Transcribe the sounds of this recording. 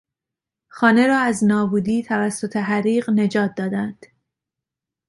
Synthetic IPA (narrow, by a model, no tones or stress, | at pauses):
xɒːne̞ɾɒːæznɒːbuːd̪iːt̪ʰævæsːot̪ʰe̞ɦæɾiːɢne̞d͡ʒɒːt̪̚ʰd̪ɒːd̪ænd̪̥